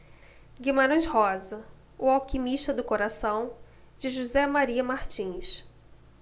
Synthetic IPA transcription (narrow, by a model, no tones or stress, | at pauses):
ɡimaɾɐ̃ʃhɔzɐ | ʊawkimiʃt̪ɐd̪ʊkoɾasɐ̃w̃ | d͡ʒɪʒuzɛmaɾiɐmaɾt͡ʃĩjʃ